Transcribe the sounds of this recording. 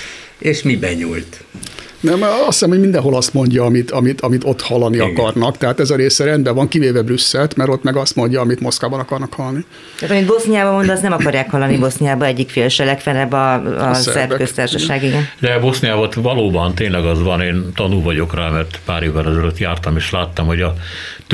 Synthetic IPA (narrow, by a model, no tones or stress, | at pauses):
eːʃmibɛɲujt̪ | nɛmɒsisɛmho̞ɟmind̪ɛnɦo̞lɒst̪mo̞ɲɟɒːmit̪ɒmit̪ɒmit̪o̞t̪hɒlːɒniɒkɒrnɒkt̪ɛɦaːt̪ɛzɒɾeːsɛɾɛnd̪bɛvɒŋkiveːvɛbrysːɛlt̪mɛɾo̞t̪mɛɡɒst̪mo̞ɲɟɒːmit̪mo̞skaːbɒnɒkɒrnɒkhɒlni | t̪aːt̪ɒmit̪bosnijaːbɒmo̞nd̪ɒznɛmɒkɒɾjaːkhɒlːɒnibo̞snijaːbɒɛɟːikfeːlʃɛlɛkfɛnɛbɒ̰ssɛ̰ɛɾrɛkøst̪aːrʃɔʃaːɡiɡɛnd̪ɛbo̞snijaːbɒt̪vɒloːbɒnt̪eːnlɛɡɒzʋɒneːnt̪ɒnuvɒɟokraːmɛrt̪paːɾeːvːɛlɛzɒløt̪jaːrt̪ɒmeːʃlaːt̪ːɒmho̞ɟɒ